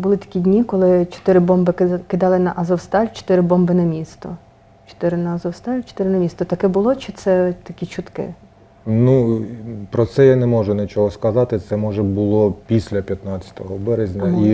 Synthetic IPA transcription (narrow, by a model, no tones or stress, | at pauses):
bʊlɪt̪ɐ̥kʲidʲnʲikɔlˠɪt͡ʃɔ̥t̪ɪɾɪbɔmbɪkɪd̪ɑlˠɪnɐʔɐzɔwst̪ɑlʲt͡ʃɔ̥t̪ɪɾɪbɔmbɪnɐmʲist̪ɔ | t͡ʃɔ̥t̪ɪɾɪnɐɐzɔwst̪ɑlʲt͡ʃɔ̥t̪ɪɾɪnɐmʲist̪ɔt̪ɐkɛbʊlˠɔt͡ʃɪt̪sɛt̪ɐkʲit͡ʃʊt̪kɪ̰ | nu | pɾɔt̪sɛjanɛmɔʒʊnɪt͡ʃɔɦɔskɐzɑt̪ɪt̪sɛmɔʒɛbʊlˠɔpʲisʲlʲɐpʲjɐt̪nɑt͡sʲɐ̥t̪ɔɦɔbɛɾezʲnʲɐi